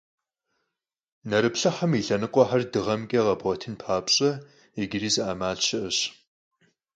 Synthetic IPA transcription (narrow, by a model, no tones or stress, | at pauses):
nɐɾɨpɬɐħɐmiɬɐnɨqʷʼɔħardɨʁɐmɡʲʼɐʁɐbɔtʰɨnpʰaːpɕʼɐ | eɡɪriːzɨaːmaːɮt͡ʃʰɪʔɨɕ